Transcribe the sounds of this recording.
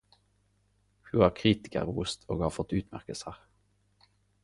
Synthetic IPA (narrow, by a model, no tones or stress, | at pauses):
hʉhɑʁkʰʁiːt̪ɪ̥kə̰ɾuːst̪ʰo̰ːɡhɑːʁfɔt̪ːʉːt̪mæ̰ʁkəsəʁ